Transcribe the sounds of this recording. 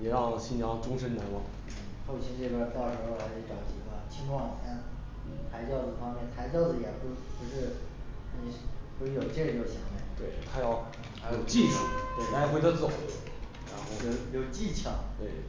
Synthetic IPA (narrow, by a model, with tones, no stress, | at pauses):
jɛ˨˩ɻɑ˥˩ŋɕi˥˩njɑ˥ŋʈ͡ʂʊ˥ŋʂə˥nna˧˥nwɑ˨˩˦ŋ | n̩˥˨˥xo˥˩ʊt͡ɕʰi˧˥ʈ͡ʂɤ˥˩ɡə˥˧˥t̪ɑ˥˩ʊʂɻ̩˧˥xo˥˧xa˧˥ɪʂ̩˧˥ʈ͡ʂɑ˨˩ʊt͡ɕi˨˩ka˥˩t͡ɕʰi˥ŋʈ͡ʂwɑ˥˩ŋa˥˩n˥ | t͡sʰa˧˥ɪt͡ɕjɑ˥˧ʊd͡zɹ̩˨˩fɑ˥ŋmjɛ˥˩nt͡sʰa˧˥ɪt͡ɕjɑ˥˧ʊd͡zɹ̩˨˩jɛ˨˩pu˥˩pu˧˥ʂɻ̩˥˩ | ni˧˥jo˥jo˨˩ʊʈ͡ʂɤ˥˩ɡə˧˩jo˥˩ɕjɑ˧˥ŋmɛ̰˥˩t̪we˥˩ɪt̪ʰa˥jɑ˥˩ʊ | a˥jo˨˩ʊt͡ɕi˥˧ʂu˥˩t̪we˥˩ɪla˧˥xwe˧˥d̪t͡s̩ʰ˥˩o˨˩˦ | ɻa̰˧˥nxo˥˩ʊjo˨˧˩ʊjo˨˩ʊt͡ɕi˥˩t͡ɕʰjɑ˨˩˦ŋt̪we˥˩ɪ